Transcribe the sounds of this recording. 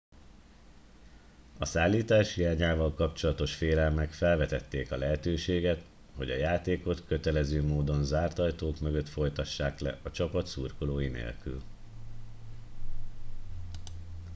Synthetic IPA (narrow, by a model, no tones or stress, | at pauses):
ɒsaːlːiːt̪aːʃijaːɲaːvɒlkɒpt͡ʃo̞lɒt̪o̞ʃfeːlɛlmɛkfɛlvɛt̪ɛt̪ːeːkɒlɛɦɛt̪øːʃeːɡɛt̪ | ho̞̰ɟɒ̰jaːt̪eːko̞t̪køt̪ɛlɛzøːmoːd̪o̞nzaːrt̪ɒjt̪oːkmøɡø̞t̪fo̞jt̪ɒʃːaːklɛ̰ɒt͡ʃɒpɒt̪suːrkoloːjinḛːlky̰l